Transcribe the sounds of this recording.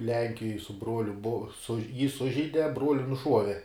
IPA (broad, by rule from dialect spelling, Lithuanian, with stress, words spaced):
ˈlʲɛŋʲkʲɪjoːj sʊ ˈbruɔlʲʊ bʊ sʊʃ jiː ˈsʊʒʲɛɪdʲɛ ˈbruɔlʲɪ nʊˈʃuɔʋʲɛ